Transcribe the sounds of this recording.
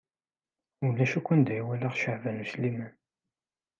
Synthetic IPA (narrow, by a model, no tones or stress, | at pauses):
ʊlːæʃækʷːənd̪æjwælaʁʃəʕvænuslimæn